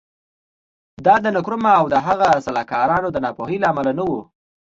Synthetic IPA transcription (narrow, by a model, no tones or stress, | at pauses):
d̪ɑd̪ənʊkɾʊmaawd̪əɦaɣasalɑkɑɾɑnod̪ənɑpoɦilaamalanawu